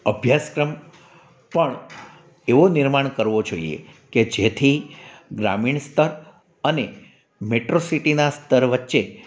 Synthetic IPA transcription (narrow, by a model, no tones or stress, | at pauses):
əbʱjaskɾəm | pəɳ | eʋonɪɾmaɳkəɾʋod͡ʒoḭḛked͡ʒet̪ʰiɡɾa̰miɳst̪ʰəɾ | əne | meʈɾosiʈinast̪ʰəɾʋətːʃe